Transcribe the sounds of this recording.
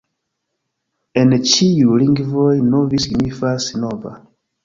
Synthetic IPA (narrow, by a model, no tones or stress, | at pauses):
ɛnet͡ʃijulĩŋɡivɔjnovisɡimifasinova̰